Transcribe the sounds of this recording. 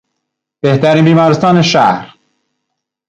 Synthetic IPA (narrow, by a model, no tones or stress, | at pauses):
b̥eht̪æɾiːnbiːmɒːɾest̪ɒːneʃæɾ